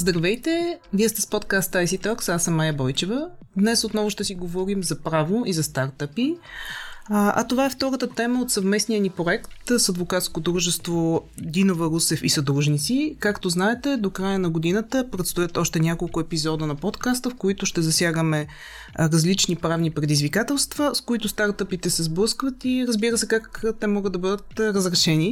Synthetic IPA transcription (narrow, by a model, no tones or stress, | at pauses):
zd̪ɾɐvɛjt̪ɛviəst̪ɛspot̪kast̪aisit̪ɔksasəmːajəbɔjt͡ʃɛvəd̪nɛsot̪nɔvʊʃt̪ɛsiɡovɔɾimzɐpɾavoʔizɐst̪aɾt̪əpi | ɐ̰t̪ovaɛft̪ɔɾət̪ət̪ɛməot̪sɐvmɛsnijənipɾoɛkt̪sɐd̪vokat̪skod̪ɾuʒɛst̪vod̪inovəɾusɛfisɐd̪ɾuʒnit̪sikakt̪oznaɛt̪ɛd̪okɾajənɐɡod̪inət̪əpɾɛt̪st̪ojət̪ɔʃt̪ɛnʲakolˠkʊɛpizɔd̪ənɐpɔt̪kast̪əfkoit̪ʊʃt̪ɛzɐsʲjaɡəmɛ | ɾɐzlit͡ʃnipɾavnipɾɛd̪izvikat̪ɛlˠst̪vəskoit̪ʊst̪aɾt̪əpit̪ɛsɛzblɤəskvət̪iɾəzbiɾəsɛkakt̪ɛmɔɡəd̪ɐbɤd̪ət̪ɾəzɾɛʃɛni